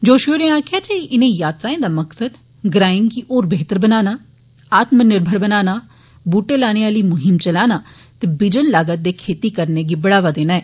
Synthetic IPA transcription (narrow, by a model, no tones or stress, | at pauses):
d͡ʒoːʃuɾẽaːkʰjaːt͡ʃeiʔɪnẽjaːt̪ɾaːẽd̪aːmɐksəd̪ | ɡɾaːɪ̃nɡiʔoːɾbeɦt̪əɾbənaːnaː | aːt̪mənɪɾbʱəɾbɐnaːnaː | buːʈelaːñeaːlimʊɦɪmt͡ʃɐlaːna | t̪ebɪd͡ʒənlaːɡət̪̚d̪ekʰeːt̪ikɐɾneɡibɐɽaːʋad̪eːnaːɛː